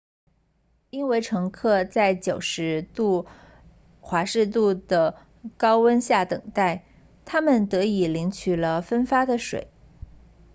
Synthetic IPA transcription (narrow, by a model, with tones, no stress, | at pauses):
i˥nwe˧˥ɪʈ͡ʂʰɤ˧˥ŋkʰɤ˥˧t͡sa˥˩ɪt͡ɕjo˨˩ʊʂɻ̩˧˥t̪u˥˩ | xwa˧˥ʂɻ̩˥˧t̪u˥˩d̪ə˩ | kɑ˥ʊwə˥nɕja˥˩t̪ɤ˨˩ŋt̪a˥˩ɪ | t̪ʰa˥mə˨nt̪ɤ˧˥i˨˩li˧˥ŋt͡ɕʰy˨˩lə˦fə˥nfa˥d̪ə˨ʂwḛ˨˩˦ɪ